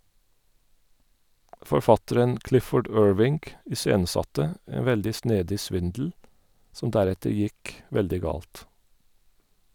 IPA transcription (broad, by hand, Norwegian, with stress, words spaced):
fɔɾˈfɑtəɾən ˈklɪfɔɖ ˈøːɹʋɪŋɡ ɪˈseːnəˌsɑtə ˈeːn ˈʋɛldɪ ˈsneːdɪ ˈsʋɪndl̩ ˈsɔm ˈdæˌɾɛtəɾ ˈjɪk ˈʋɛldɪ ˈɡɑːlt